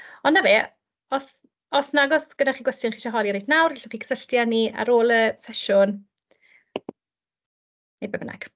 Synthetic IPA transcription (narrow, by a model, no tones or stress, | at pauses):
ɔnːaveː | ɔs | ɔsnaɡɔsɡ̥ədaχiːɡwɛstjʊnχiːʃaɦɔlˠiɾejdnawrɪɬɔχiːɡʰə̥səɬtjania̰ɾoːlˠəsɛʃʊn | ejbɛbəna̰ɡ̥